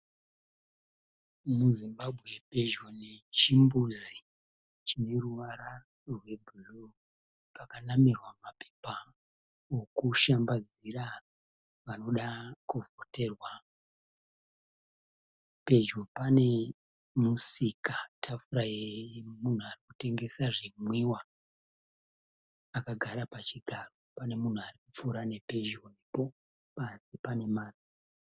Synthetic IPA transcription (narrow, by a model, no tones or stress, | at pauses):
muzimbabʱɣe̞pe̞d͡ʒone̞t͡ʃimbuzi | t͡ʃine̞ruʋaɾa | rwe̞bʱuro | pakanamirwamape̥pa | okuʃambad͡z | iɾa | ʋano̞ɗakuvote̞rwa | pe̞d͡ʒopane̞ | musikatʰafuɾajemun̤uarikute̞ŋɡe̞saʐimwiwa | kaɡʱaɾapat͡ʃiɡʱaro̞pane̞mun̤uarikup͡fuɾane̞pe̞d͡ʒonepo̞ | pasipane̞maːri